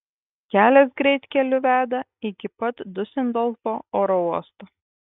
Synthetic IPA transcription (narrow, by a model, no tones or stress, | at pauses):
kʲæːlʲɛsɡɾʲɛɪt̪ʲkʲɛlʲʊʋʲæːd̪ɐ | ɪkʲɪpɐt̪d̪ʊsʲɛnd̪ɔlˠfoːoːɾɔuɔst̪o